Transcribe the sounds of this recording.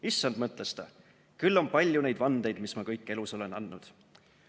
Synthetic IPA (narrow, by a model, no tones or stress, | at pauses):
isːɑnd̪̥mɤt̪ˑlest̪ɑ̰ | kylːo̞npɑlʲjune̞jd̪vɑnd̪̥e̞jd̪mismɑkɤjkːˑe̞luso̞lenɑnːud̪̥